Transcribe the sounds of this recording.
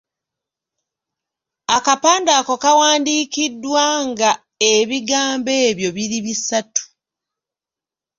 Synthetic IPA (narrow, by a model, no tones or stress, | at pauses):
akapaːndaːko̞kawaːndiːkidːwaŋɡa | eβiɡaːmbe̞ːβjoβiɾiβisatu̥